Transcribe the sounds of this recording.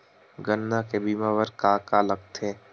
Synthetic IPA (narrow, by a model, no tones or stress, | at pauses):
ɡənːakebiːmaːʋəɾkaːkaləɡ̚t̪ʰeː